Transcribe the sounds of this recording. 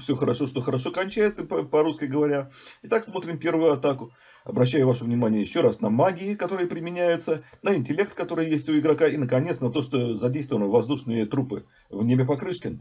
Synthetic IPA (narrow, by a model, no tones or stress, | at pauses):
fsʲoxəɾɐʂo̞ʂt̪o̞xəɾɐʂo̞kɐnʲt͡ɕæjɪt̪səppɐɾuskʲɪɡəvɐɾʲaɪt̪aksmo̞t̪ɾʲɪmpʲe̞rvʊjʊɐt̪akʊ | ɐbɾɐɕ̬ːæjʊvaʂʊvnʲɪmanʲɪjəjɪɕːo̞ɾasnɐmaɡʲɪɪkɐt̪o̞ɾɨjəpɾʲɪmʲɪnʲæjʊt̪sənəɪnʲtʲɪlʲe̞k̚t̪kɐt̪o̞ɾɨjjesʲtʲʊɪɡɾɐkaɪnəkɐnʲet̪snɐt̪o̞ʂt̪ozɐdʲejst̪vəvənəvɐzd̪uʂnɨjət̪ɾupɨ | vnʲebʲɪp̬ɐkɾɨʂkʲɪn